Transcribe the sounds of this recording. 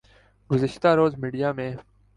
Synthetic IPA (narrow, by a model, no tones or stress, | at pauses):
ɡʊzəʃt̪aːɾoːzmiːɖijaːmẽː